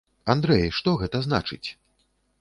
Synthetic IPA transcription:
and̪ɾɛjʂt̪ɔɣɛt̪ɐzna̰t͡ʂɨ̰t͡sʲ

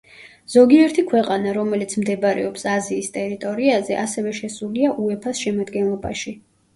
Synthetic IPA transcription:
z̥ɔɡiɛɾt̪ʰikʰwɛqʼanaɾɔmɛlit̪sʰmd̪ɛbɾɛ̰ɔpsaziːst̪ʼɛɾit̪ʼɔɾiazɛʔasɛvɛʃɛsuliaʔuɛpʰasʃɛmad̪ɡɛnlˠɔba̰ʃi

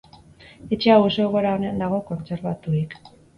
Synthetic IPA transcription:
et͡ʃeawoso̞ɣo̞ɾaonend̪aɣo̞ko̞nt͡se̞ɾβat̪uik

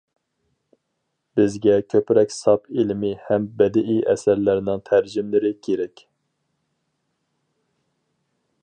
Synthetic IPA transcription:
b̥ɪzɡʲɛkʲʰøpɾɛkʲsɑpʰilɪmɪhɛmbɛd̪ɪʔiʔɛ̰sæɾlæɾnɪŋt̪ʰæɾd͡ʒimlɪɾɪkʲʰeɾɛkʲ

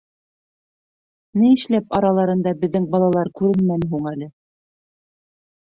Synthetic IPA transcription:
nɘɘ̆ʃlæpɑɾɑlˠɑɾɤ̆nd̪ɑbɘ̆ðːɘŋbɑlˠɑlˠɑɾkʉɾɘ̆nmænɦuɴælɘ

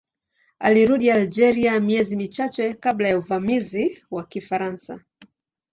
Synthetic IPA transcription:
a̰liɾuɗiald͡ʒɛɾiamiɛzimit͡ʃat͡ʃɛkablajauvamiziwakifaɾansa̰

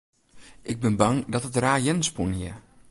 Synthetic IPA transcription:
ʔɪɡ̚bɪnbɑŋdɔtətraːjɛnspunhiə

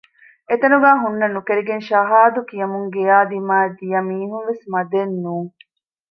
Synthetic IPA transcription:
et̪ɐnuɡaːɦunːɐnukeɾiɡenʃɐɦaːd̪ukijɐmuŋɡejaːd̪imaːed̪ijɐmiːɦunʋesmɐd̪enːuːŋ

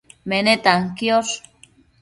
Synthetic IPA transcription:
menet̪aŋkios

